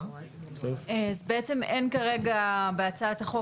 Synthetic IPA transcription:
tovazbeet͡se̞me̞nkaʁe̞ɡabeat͡sat̪aχo̞

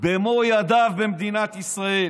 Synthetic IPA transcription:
bemojad̪avbemd̪inat̪isʁael

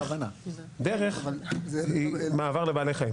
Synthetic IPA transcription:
vanad̪eʁeχ | imaːvaʁlebaːlejχaim

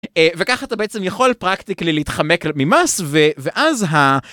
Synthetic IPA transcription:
evekaχaat̪abeʔet͡se̞mjaχo̞lpʁaktiklileit̪χame̞klmimasveveʔazɦa

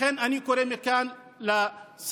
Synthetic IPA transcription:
enɐnikoɾemikaːn | las

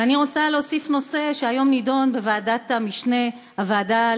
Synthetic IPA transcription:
aniʁo̞t͡saleosifno̞se̞ʃeajo̞mnido̞nbeveadat̪amiʃne̞ | havaːda

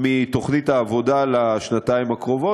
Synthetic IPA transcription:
mit̪o̞χnit̪aːvo̞dalaʃnat̪aimakʁo̞vo

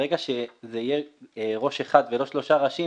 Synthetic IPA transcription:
ʁeɡaʃezeijeʁo̞ʃeχad̪velo̞ʃlo̞ʃaʁaʃi

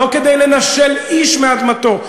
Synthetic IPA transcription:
oked̪ejlenaʃeliʃmead̪mat̪o̞

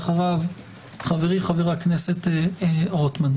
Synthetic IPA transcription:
χaʁav | χaveʁiχaveʁeakneseteʁotman

